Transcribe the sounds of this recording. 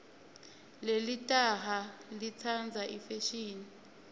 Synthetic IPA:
lelitʼaɦalit͡sʰand͡zʱaʔifeʃiːni

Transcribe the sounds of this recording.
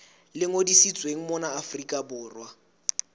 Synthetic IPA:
lɪŋodisit͡sʼweŋ̩mɔnaːfrikʼabʊːrwa

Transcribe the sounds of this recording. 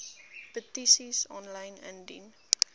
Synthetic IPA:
pətisisɔnlɐjnɛ̰̃ndḭn

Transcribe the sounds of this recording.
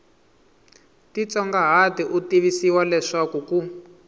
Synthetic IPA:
tit͡sɔŋɡaɦatiʔutiβisiwalɛʂakuku

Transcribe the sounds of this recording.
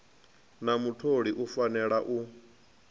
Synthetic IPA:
namutʰoɺiʔufanɛɺaʔu

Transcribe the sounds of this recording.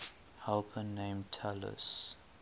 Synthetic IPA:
hɛlpʰə̃nːẽɪ̃mtʰɛlə̰s

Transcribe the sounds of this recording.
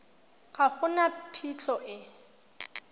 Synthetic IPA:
ɣaχʊnapʰitʰɔʔɪ

